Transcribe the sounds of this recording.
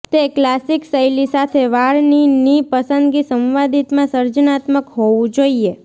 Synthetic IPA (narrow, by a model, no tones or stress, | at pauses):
t̪eklasiksəjlisat̪ʰeʋaɭninipəsə̃nd̪ɡisəmʋad̪it̪mãsəɾd͡ʒənat̪məkɦoʋũd͡ʒoie